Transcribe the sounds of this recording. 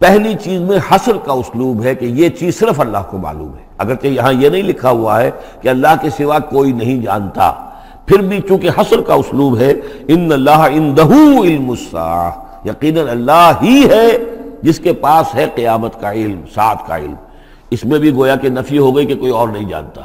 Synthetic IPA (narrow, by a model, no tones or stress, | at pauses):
pɛɦlit͡ʃiːzmẽhɐsɾkaʊsluːbɦɛkejet͡ʃiːzsɪɾəfɐlːaːɦkoma̰ːlṵːmɦɛːɐ̰ɡəɾt͡ʃejɐɦãjenɐɦĩlɪkʰaɦua̰ɦɛ | keɐlːaːɦkesɪʋakoːinɐɦĩd͡ʒa̰ːnt̪a̰ | pʰɪɾbʱit͡ʃũːkeɦɐsɾkaʊsluːbɦɛɪnːɐlːaːɦɪ̃nd̪ɐɦuɪlmʊsːa̰ː | jɐqiːnənɐlːaɦɦiɦɛd͡ʒɪskepaːsɦɛqɪjaːmət̪kaɪlmsa̰ːt̪ʰka̰ɪ̰lm | ɪsmẽbʱiɡoːjakenɐfiɦoɡɐikekoːiɔːɾnɐɦĩd͡ʒa̰ːnt̪ḁː